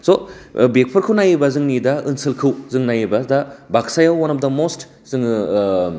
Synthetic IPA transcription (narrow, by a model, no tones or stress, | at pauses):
sobek̚pʰɐɾkʰɯwnajibɐzɯŋnidɐɯnsɯlkʰɯwzɯŋnajibɐdɐbaksajawanɐm̚dɐmost | z̥ɯŋ